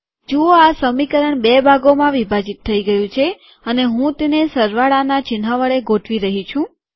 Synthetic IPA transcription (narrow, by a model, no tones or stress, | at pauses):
d͡ʒooasəmikəɾəɳbebʱaɡomãʋibʱad͡ʒit̪ʰːəiɡəjũt͡ʃʰe | əneɦũt̪enesəɾʋaɭanat͡ʃɪnɦaʋəɭeɡoʈʰʋiɾəɦit͡ʃʰũ